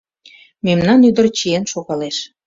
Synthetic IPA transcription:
memnɑnyd̪ərt͡ɕienʃoɣɑleʃ

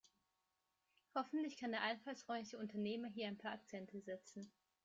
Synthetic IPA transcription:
hɔfn̩tlɪçkʰandeːɐʔaɪnfalsʁ̥ɔʏmlɪçəʊntɐneːmɐɦiːɐaɪnpʰaːɐak̚t͡sɛntʰəzɛt͡sn̩

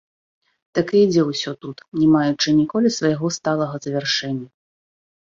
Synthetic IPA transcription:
t̪akɨid͡zʲɛwsʲɔt̪ut̪nʲɛmajut͡ʂɨnʲikɔlʲisvɐjaɣɔst̪alˠɐɣɐzɐvʲɛrʂɛnʲːɐ

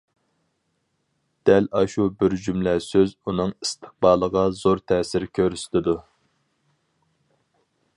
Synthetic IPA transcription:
d̪̥ɛlɑʃubɪɾd͡ʒymlɛsøzunɨŋist̪ʰə̥χ̚bɑːlˠəʁɑzoɾt̪ʰɛːsɪɾkʲʰøɾyst̪ʰɪd̪u

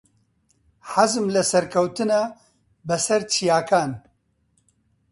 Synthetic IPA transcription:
ħazmlɐsɐɾkʰɐwt̪ɨnaː | bɨsɐɾt͡ʃʰijaːkʰaːn

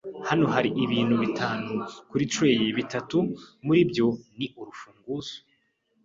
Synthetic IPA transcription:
hano̞ɦaɾiʔiβiːn̥huβitʰaːnukuɾit͡ʃweːjeβitatumuɾibjo̞niʔuɾufuːŋɡuzo̥

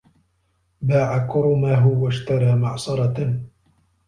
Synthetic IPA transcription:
baːʕakʊɾʊmaɦʊwaʃt̪ɑɾˤɑːmaʕsˤɑɾˤɑ

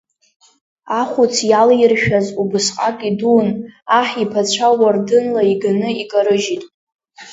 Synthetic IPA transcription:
aχʷut͡sʰjaljrʃᶣazubɨsqʼakʼidunaħipʰat͡ɕʷʰawardɨnlaiɡanɨikʼaɾɨʒitʼ

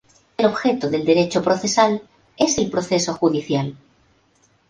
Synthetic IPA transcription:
elo̞βxe̞t̪oðe̞ld̪e̞ɾet͡ʃopɾoθe̞sal | e̞se̞lpɾoθe̞so̞xuðiθjal

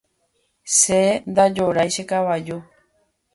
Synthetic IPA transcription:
send̪ad͡ʒoɾajʃekaβad͡ʒo

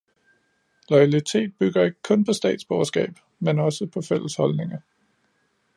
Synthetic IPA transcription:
lɒ̽ɪælit͡sʰe̝̰ːd̥̚b̥yɡ̥ɐe̝ɡ̥̚kʰɔ̽npʰɒ̽sd̥ɛ̰ːd̥sb̥ɒːɐsɡ̥ɛ̰ːb̥ | menɒ̽səpʰɒ̽fel̰əshɒ̽lne̝ŋɐ

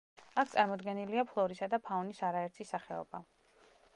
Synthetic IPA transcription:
ak̚ʰt̪sʼaɾmɔd̪ɡɛniliapʰlˠɔɾisad̪apʰaɔnisaɾaɛɾt̪ʰisaχɛɔ̰ba

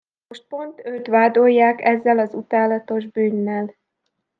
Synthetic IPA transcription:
oʃt̪̚po̞nt̪øt̪ʋaːd̪o̞jːaːkɛzːɛlɒzut̪aːlɒt̪o̞ʒbyːnːɛl

